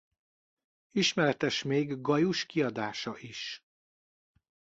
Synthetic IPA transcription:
iʃmɛɾɛt̪ɛʃmeːɡɡɒjuʃkiɒd̪aːʃɒʔiʃ

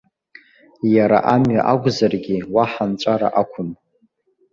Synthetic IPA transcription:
jaɾa̰ʔamɥa̰ʔaɡʷʼzarɡʲiwaħant͡ʃʷʼaɾa̰ʔakʷʰʊm

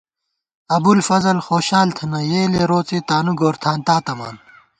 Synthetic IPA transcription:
ɐbulfɐzɐlxoːɕaːlt̪ʰɐnɐjeːleɾoːt͡sit̪aːnuɡoːɾt̪ʰaːnt̪aːt̪ɐma̰ːn

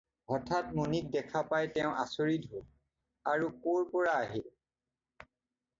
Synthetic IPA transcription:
ɦɔtʰatmunik̚dɛkʰapajtɛʊ̃ʔa̰soɹidɦol | aɹukoɹpɔɹaːɦil

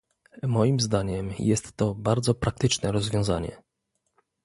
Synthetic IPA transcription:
mɔjimzd̪aɲɛmjɛst̪ːɔbaɾd̪zɔpɾak̚t̪ɘt͡ʂnɛɾɔzvʲjɔ̃w̃za̰ɲɛ̰

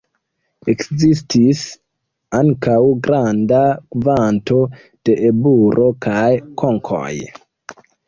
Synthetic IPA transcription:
e̞kzistis | aŋkawɡɾandakvanto̞ | d̥e̞ʔebuɾʔo̞kajkʰo̞ŋkʰo̰j

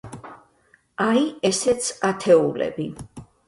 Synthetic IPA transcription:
aiɛsɛt̪sʰat̪ʰɛulɛ̰bi

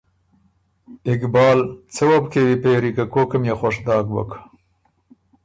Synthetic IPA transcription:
ɪkbɑːlt͡səwɐbkewipeɾikakokəmjexaʂd̪ɑːɡbɐ̰k

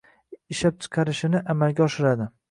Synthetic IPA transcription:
ɪʃap̚t͡ʃʰɨ̥qʰɑɾɪʃɪnɪʔamalɡʲaɒʃɪɾad̪ɪ

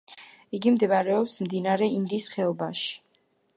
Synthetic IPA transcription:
iɡimd̪ɛvaɾɛɔpsmd̪inaɾɛind̪isχɛɔbaʃi̥

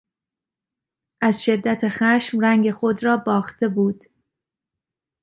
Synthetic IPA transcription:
ʔæzʃe̞d̪ːæt̪ʰexæːʃmræŋɡe̞xo̞d̪ɾɒːbɒːxt̪e̞buːd̪̥

